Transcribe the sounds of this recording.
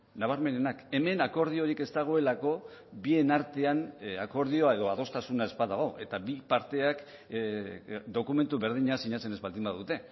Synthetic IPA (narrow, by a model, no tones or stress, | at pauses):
naβ̞aɾme̞ne̞nake̞me̞nako̞ɾð̞io̞ɾike̞st̪aɣ̞o̞e̞lako̞βie̞naɾt̪e̞anako̞ɾð̞io̞ae̞ðo̞aðo̞st̪asunae̞zbaðaɣ̞o̞ʔe̞t̪aβipaɾt̪e̞ak | d̪o̞kume̞nt̪uβe̞ɾð̞iɲasiɲat͡se̞nezβald̪imbaðut̪e̞